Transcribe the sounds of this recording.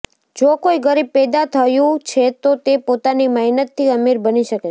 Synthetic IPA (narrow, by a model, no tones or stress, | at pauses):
d͡ʒokoiɡəɾib̚pɛd̪at̪ʰəjũt͡ʃʰet̪ot̪epot̪animəjnət̪ʰːiəmeɾbəniʃəke